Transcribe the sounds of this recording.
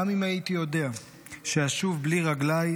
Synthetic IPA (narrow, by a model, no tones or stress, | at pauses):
amimajit̪ijo̞de̞a | ʃeaʃuvbliʁaɡlaj